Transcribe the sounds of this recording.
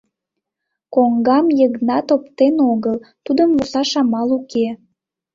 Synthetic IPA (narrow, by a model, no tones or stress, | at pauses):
koŋɡɑmjəɣnɑt̪opt̪enoɣəlt̪ud̪əmvosɑʃɑmɑluke